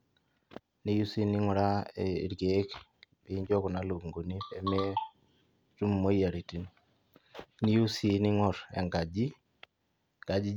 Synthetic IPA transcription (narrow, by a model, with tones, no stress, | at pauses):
ni˦ju˦si˦ni˦ŋʷu˨ɾa̰˦˨ɾɡe˨˦kbi˦ɲd͡ʒɔ˦kɔ˨na˨lo˨ŋɡo˨ni˦pe˨me˦ | tu˦m˨mo˦ja˨ɾi˨ti˨n | ni˦ju˦si˦ni˦ŋɔ˨ɾɛ̰˨ŋɡa˨d͡ʒi˦ | ɡa˨d͡ʒi˦